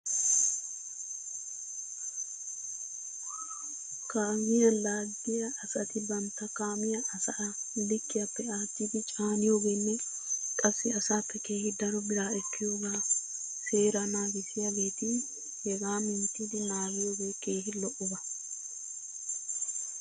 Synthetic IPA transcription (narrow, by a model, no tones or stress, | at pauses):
kaːmɪjɐlaːd̪ɪjɐʔːsɐt̪ɪbɐnt̪ːɐkaːmɪjɐʔɐsɐʔɐlɪkːɪɐpːɛaːt̪ːid̪ɪt͡ʃʼaːnɪjoːɡeːnːɛ | kʼɐsːɪɐsaːpːɛke̞ːhɪd̪ɐɾɔbɪɾaːɛkːɪjoːɡaː | se̞ːɾɐnaːɡɪsɪjɐleːt̪ɪ | hɛɡaːmɪnt̪ːɪd̪ɪnaːɡɪjoːɡe̞ːke̞ːɦɪlɔʔʊbɐ